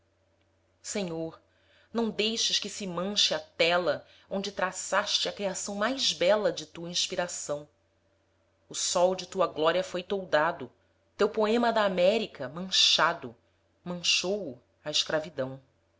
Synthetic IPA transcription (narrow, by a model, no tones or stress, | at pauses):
sẽɲoɾ | nɐ̃w̃d̪ejʃɪʃkɪsɪmɐ̃ʃɪat̪ɛlɐ | õnd͡ʒɪt̪ɾasaʃt͡ʃɪɐkɾiasɐ̃w̃majzbɛlɐd͡ʒɪt̪uɐĩʃpiɾasɐ̃w̃ | ʊsɔwd͡ʒɪt̪uɐɡlɔɾiɐfojt̪owd̪ad̪ʊ | t̪ewpoẽmɐd̪aːmɛɾikɐmɐ̃ʃad̪ʊ | mɐ̃ʃowu | aɪʃkɾavid̪ɐ̃w̃